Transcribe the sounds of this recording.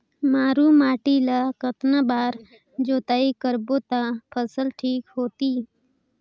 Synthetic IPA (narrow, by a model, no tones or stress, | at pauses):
maːɾuːmaːʈilakət̪nabaːɾ | d͡ʒoːt̪aːikəɾboːt̪apʰəsəlʈʰiːkɦoːt̪iː